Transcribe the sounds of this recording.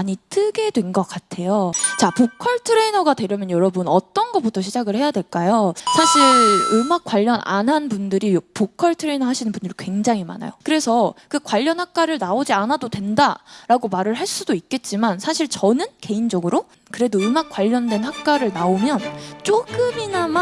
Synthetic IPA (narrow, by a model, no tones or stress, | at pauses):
aɲitʰɯɡe̞dwe̞nɡʌk͈atʰe̞jot͡ɕapokʰʌɭtʰɯɾe̞inʌɡadwe̞ɾjʌmjʌnjʌɾʌbunʌt͈ʌnɡʌp͈utʰʌɕʰid͡ʑaɡɯɭhe̞jadwe̞ɭk͈ajosʰaɕʰiɭɯmak͈waʎːʌnʔa̰nɦanbundɯɾijpokʰʌɭtʰɯɾe̞inʌhaɕʰinɯnbundɯɾikwe̞ŋd͡ʑaŋɦima̰na̰jokɯɾe̞sʰʌkɯkwaʎːʌnhak̚k͈aɾɯɭnaod͡ʑianadodwe̞ndaɾaɡomaɾɯɭɦaɭs͈udoik̚k͈e̞t̚t͡ɕ͈imansʰaɕʰiɭt͡ɕʌnɯnke̞ind͡ʑʌɡɯɾo | kɯɾe̞doɯmak͈waʎːʌndwe̞nɦak̚k͈aɾɯɭnaomjʌnt͡ɕ͈oɡɯminam